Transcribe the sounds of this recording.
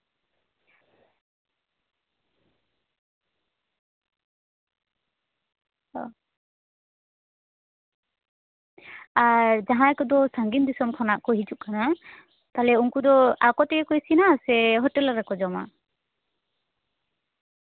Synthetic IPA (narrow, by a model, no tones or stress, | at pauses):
ɔ | aɹd͡ʒaɦãɛkɔd̪ɔsaŋɡind̪isɔmkʰɔnaʔkɔɦituʔkana | t̪alɛuŋkud̪ɔa̰kɔtɛkɛkɔjsinasɛɦɔtɛlaɾakɔd͡ʒɔma̰